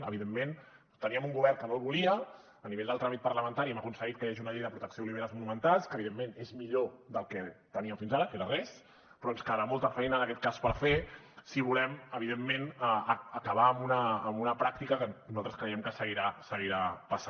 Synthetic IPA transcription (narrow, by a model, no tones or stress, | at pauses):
ə̰βiðemːen | t̪əniəmuŋɡuβɛrŋkənolˠβuliəː | niβeʎd̪əlˠt̪ɾamit̪̚pəɾləmənt̪aɾimakunsəɣit̪̚kəjaʒiunəʎejðəpɾut̪əksiouliβeɾazmunumənt̪alˠskəβiðemːenezmiʎod̪əlˠkɛt̪əniəfinzaɾəkeɾərɛs | pɾɔnskəðəɾamolˠt̪əfɛjnəːnəkɛt̪̚kaspəɾfe | siβulɛməβ̞iðemːenː | kəβ̞aːmunəːmunəpɾak̚t̪ikəkənuzalˠt̪ɾəskɾəjɛmkəsəɣiɾasəɣiɾapəsa